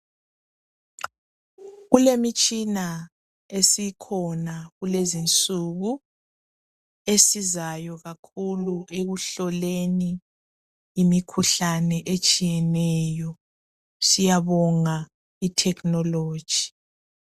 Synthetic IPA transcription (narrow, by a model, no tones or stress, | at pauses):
ɣulemit͡ʃʼina | esikʰɔnaɣulezint͡sʼuɣu | esizajɔɣakʰuluʔeɣuɬɔleniː | mikʰuɬanɛʔet͡ʃʼijɛnɛjɔ | sijaβɔŋa | itʰɛkʰʼnɔlo̥ːʒ̥ʱi